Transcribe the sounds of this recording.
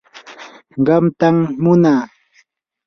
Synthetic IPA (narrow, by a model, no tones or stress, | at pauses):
ɢɑmt̪amːʊnaː